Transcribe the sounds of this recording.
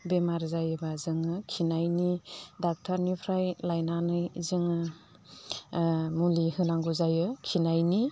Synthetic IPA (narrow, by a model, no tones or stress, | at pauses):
bemaɾzajɯbazɯŋɯkʰinajnidak̚tʰaɾnipʰɾajlajnanɯjzɯŋɯ | mulihɯnaŋɡuzajɯkʰinajni